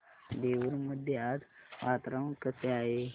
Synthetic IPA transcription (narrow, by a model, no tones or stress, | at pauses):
d̪eʋuɾməd̪ʱjat̪ʋʔat̪ɾaʋkəseaɦe